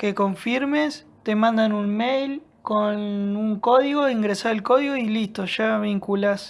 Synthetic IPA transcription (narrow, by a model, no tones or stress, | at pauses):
keko̞ɱfiɾmes | t̪emãnd̪anunmejl | konuŋko̞ðiɣoiŋɡɾesaɾalkoðiɣoilist̪oʃaβiŋkulas